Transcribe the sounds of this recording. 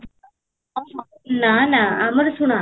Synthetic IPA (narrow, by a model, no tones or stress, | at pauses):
nanaaməɾsuɳ̃a